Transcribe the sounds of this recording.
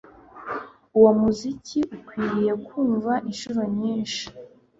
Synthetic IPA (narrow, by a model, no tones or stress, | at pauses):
uwomuziciʔukwiːɾije̞kuːɱvaʔinʃuɾoɲiːnʃi̥